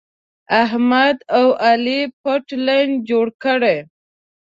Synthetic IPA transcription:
aɦmad̪awalipoʈlajnd͡ʒoɽkəɽe

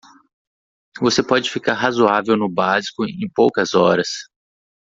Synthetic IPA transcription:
vosepɔd͡ʒɪfikaɾɦazoavewnʊbazi̥kʊḛ̃j̃powkɐzɔɾɐs

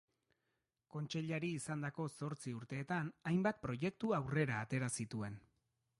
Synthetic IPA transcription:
ko̞nt͡ʃe̞ʎaɾiːsand̪ako̞so̞ɾt͡siuɾt̪e̞ːt̪anajmbat̪̚pɾo̞je̞k̚t̪uawre̞ɾaːt̪e̞ɾasit̪ue̞n

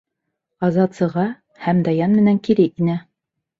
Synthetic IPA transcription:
ɑzɑt̪sɤ̆ʁɑ | hæmd̪ɑjɑnmɘ̆næŋkiɾɘʔinæ

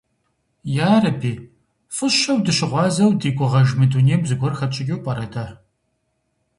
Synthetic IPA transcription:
jaːrɐbʰiː | fɨʃɐwdɨɕɪʁʷɑːzɐwdiːkʷʼʊʁɐʒmɨduːniːmzɨɡʷɔrxɐt͡ʃʼɪɡʲewpʼɐɾɐdaː

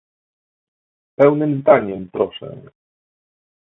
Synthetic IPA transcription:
pɛwnɘmzd̪aɲɛmpɾɔʂɛ̰̃

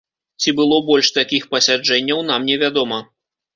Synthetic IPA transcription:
t͡sʲibɨlˠɔbɔlʲʂt̪akʲixpɐsʲad͡ʐɛnʲːɐwn̪amnʲɛvʲad̪ɔmɐ

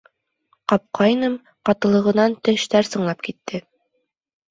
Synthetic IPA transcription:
qɑp̚qɑjnɤm | qɑt̪ɤ̆lˠɤ̆ʁɤ̆nɑnt̪ɘ̆ʃt̪æɾsɤ̆ɴlˠɑp̚kit̪ːɘ

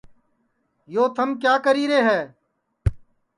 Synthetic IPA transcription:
joːt̪ʰəmkjaːkəɾiːɾeːɦɛː

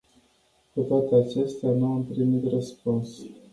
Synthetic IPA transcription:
kut̪oat̪eat͡ʃe̞st̪eanuampɾimit̪rəspuns

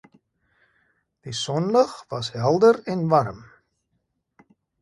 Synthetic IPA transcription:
d̥isɔndaχvɐsɦɛlˠdərɛnvarm

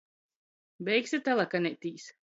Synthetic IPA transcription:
bʲɛjksʲit̪alˠakanʲɛt̪ʲiːs

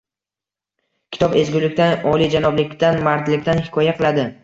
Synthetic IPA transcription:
kʲʰɪ̥t̪ɒpezɡʲʊlɪkʲt̪anɒlˠid͡ʒanɒblɪkʲt̪anmaɾt̪lɪkʲt̪anhɪkʰɒjaqʰɨlˠad̪ɪ

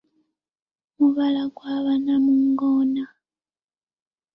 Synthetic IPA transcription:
muβalaɡwaβanamuŋɡoːna

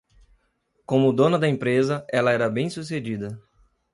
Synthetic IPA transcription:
kõmʊd̪õnɐd̪ɐẽmpɾezɐɛlɐɛɾɐbẽj̃sused͡ʒid̪ɐ

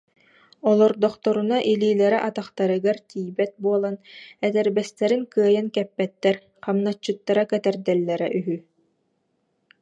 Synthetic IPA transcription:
ɔlˠɔɾd̪ɔχt̪ɔɾunaʔiliːlɛɾɛʔat̪aχt̪aɾɯɡaɾt̪iːjbɛt̪̚buɔlˠanɛt̪ɛɾbɛst̪ɛɾiŋkɯɐjankɛpːɛt̪ːɛɾ | qamnat͡ɕːɯt̪ːaɾakɛt̪ɛɾd̪ɛlːɛɾɛʔyɦy

